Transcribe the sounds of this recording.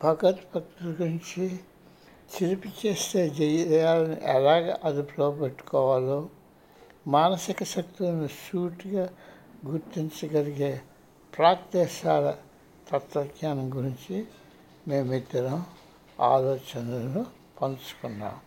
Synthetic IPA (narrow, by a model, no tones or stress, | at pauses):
bʱɐɡɐt̪pɐk̚t̪ulɡuɾiɲt͡ʃi | t͡ʃiɾipit͡ʃeːst̪e̞ːd͡ʒɛjjaːlɐnḭʔɛlaːɡa̰ːʔɐd̪ipɾoːpeʈːu̥kɔːʋaːloː | maːnɐsikɐʃɐk̚t̪ulɐniʃuːʈiɡaː | ɡuɾt̪iɲt͡ʃɐɡɐliɡeː | pɾaːkt̪ɛːʃaːlɐ | t̪ɐt̪ʋɐɡjaːnɐmɡuɾiɲt͡ʃi | me̞ːmit̪ːɐɾɐm | a̰ːlɔːt͡ʃɐnɐlɐnu | pɐnt͡ʃu̥kunːa̰ːm